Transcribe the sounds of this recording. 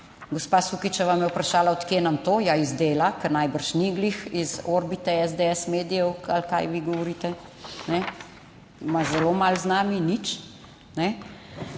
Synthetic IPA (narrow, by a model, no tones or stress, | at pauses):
ɡɔspasukit͡ʃaʋamjɛwpɾaʃaːlaɔt̪kjeːnamt̪oːjaizd̪eːlakɛɾnajbəɾʃniɡlixizoɾbit̪ɛɛzd̪eɛsmeːd̪ijɛwalka̰jʋiɡɔʋɔɾiːt̪ɛnɛ | mazɛlomalznaːminit͡ʃ | nɛ